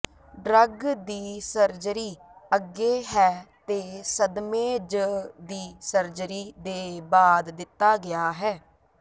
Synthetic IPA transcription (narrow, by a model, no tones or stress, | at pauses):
ɖɾəɡd̪iːsəɾd͡ʒɾiːəɡːeːɦɛːt̪eːsəd̪mẽːd͡ʒəd̪iːsəɾd͡ʒɾiːd̪eːbaːd̪ːɪt̪ːaːɡɪjaːɦɛː